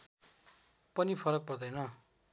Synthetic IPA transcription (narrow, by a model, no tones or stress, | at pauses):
pʌnipʰʌɾʌk̚pʌrd̪ʌjnʌ